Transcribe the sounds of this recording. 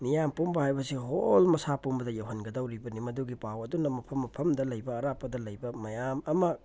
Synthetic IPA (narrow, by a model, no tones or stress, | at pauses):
nijampumbɐhajbɐsiɦolmɐsapumbɐdɐjawɦɐnɡɐdɐwɾibɐnimɐduɡipawɐdunɐmɐpʰɐmːɐpʰɐmdɐlɐjbɐːɾapːɐdɐlɐjbɐmɐjamɐmɐ